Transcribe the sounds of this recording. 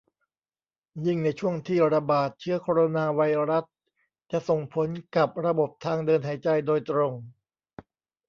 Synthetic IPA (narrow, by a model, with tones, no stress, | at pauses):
jɯ˥˩ŋna˧jt͡ɕʰu˥˩əŋt̪ʰiː˥˩ɾa˧baː˨˩t̪̚t͡ɕʰɯ˦˥ɐkʰoː˧ɾo˧naː˧wa˧jɾa˦˥s | t͡ɕa˨˩ʔso˨˩ŋpʰo˩˦nka˨˩p̚ɾa˧bo˨˩p̚t̪ʰaː˧ŋdɤː˧nɦa˩˦jt͡ɕa˧jdoː˧jt̪ɾo˧ŋ